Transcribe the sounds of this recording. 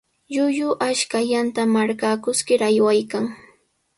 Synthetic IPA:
ʎʊjʊʔaʃkaʎant̪amaɾkakʊskɪɾajwajkaŋ

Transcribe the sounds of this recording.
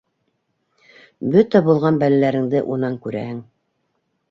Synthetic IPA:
bɵt̪æbulˠʁɑnbælælæɾɘ̆ŋd̪ɘʔunɑŋkʉɾæ̰hɘŋ

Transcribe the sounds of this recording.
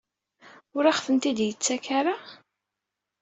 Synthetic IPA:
ʊɾaχfənt̪id̪jət͡sːækaɾa

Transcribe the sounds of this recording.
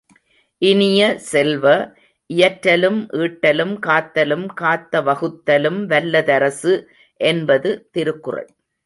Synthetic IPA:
ʔɪnɪjɐsɛlʋɐ | ʔɪjɐʈɾɐlɯmʔiːʈːɐlɯmkaːt̪ːɐlɯmkaːt̪ːɐʋɐɣɯt̪ːɐlɯmʋɐlːɐðɐɾɐsɯ | ʔɛnbɐðɯt̪ɪɾɯkːɯrɐ̰ɭ

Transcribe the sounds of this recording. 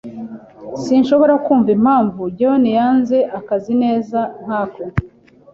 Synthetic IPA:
sinʃo̞βo̞ɾakuːɱvim̥haːɱvuɟawonijaːnze̞ʔakazine̞ːzan̥haːko

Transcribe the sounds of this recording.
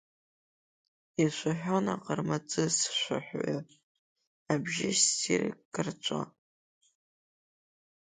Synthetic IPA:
iʃʷaħʷᶣona̰qʼərmat͡sʼɨsʃʷa̰ħʷa | abʒɪʃtʰirkɡɨrt͡ʃʷʼa̰

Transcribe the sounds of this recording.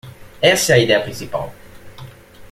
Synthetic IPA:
ɛsɛɐid̪ɛɐpɾĩnsipa̰l

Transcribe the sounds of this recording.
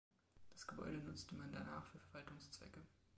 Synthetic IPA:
d̥asɡ̥əbɔ̰ʏɾənʊt͡stəmanda̰naːχfyːɐfɛɐvaltʊŋst͡sv̥ɛ̰kə

